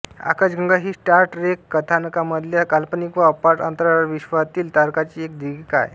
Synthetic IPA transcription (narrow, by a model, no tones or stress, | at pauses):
a̰kad͡ʑɡʱə̃ŋɡaɦiːsʈaɾʈɾekːət̪ʰanəkaməd̪ʱljakalpənikʋaəpaɾʈə̰nt̪ɾaʋaɾʋiɕʋat̪iːlt̪aɾkat͡ɕiːek̚d̪iɡiːka̰j